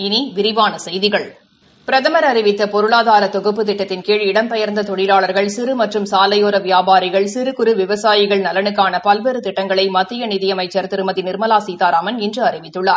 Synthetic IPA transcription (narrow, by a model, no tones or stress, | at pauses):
ɪniʋɪɾɪʋaːnɐsɛjðɪɣɐɭ | pɪɾɐðɐmɐɾɐɾɪʋɪt̪ːɐpɔɾɯɭaːðaːɾɐt̪ːɔɣɯpːɯt̪ɪʈːɐt̪ːɪnkeːɻɪɽɐmpɛjɐɾnd̪ɐt̪ɔɽɪlaːɭɐɾɣɐɭsɪɾɯmɐʈrɯmsaːlɐjoːɾɐʋɪjaːbaːɾɪɣɐɭsɪɾɯkʊɾɯʋɪʋɐsaːjɪɣɐɭnɐlɐnɯkːaːnɐpɐlʋeːɾɯt̪ɪʈːɐŋɡɐɭɐɪmɐt̪ːɪjɐnɪðɪjɐmɐɪt͡ʃːɐɾt̪ɪɾɯmɐðinɪɾmɐlaːsiːt̪aːɾaːmɐnɪndrɯɐrɪʋɪt̪ːɯɭːaːɾ